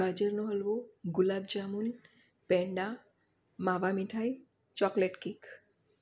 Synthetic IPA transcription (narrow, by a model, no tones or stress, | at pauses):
ad͡ʒəɾnɔɦɔlboɡulabd͡ʒamun | peɳɖa | maʋamiʈʰaj | t͡ɕɔkleʈkik